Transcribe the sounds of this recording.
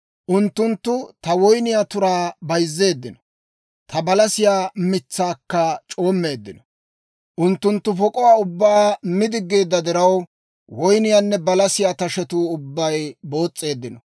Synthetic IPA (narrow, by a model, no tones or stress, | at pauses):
ʔʊnt̪ːʊnt̪ːʊt̪ɐwɔjnɪjaːt̪ʊɾaːbɐjzːe̞ːd̪ːɪnɔ̥ | t̪ɐbɐlɐsɪjaːmɪt͡sːaːkːɐt͡ʃʼo̞ːmːe̞ːd̪ːɪnɔ | ʔʊnt̪ːʊnt̪ːʊpɔkʼɔwaːʊbːaːmɪd̪ɪɡːe̞ːd̪ːɐd̪ɪɾɐw | wɔjnɪjaːnːɛbɐlɐsɪjaːt̪ɐʃɛt̪uːʊbːɐjbo̞ːt͡sʼːe̞ːd̪ːɪnɔ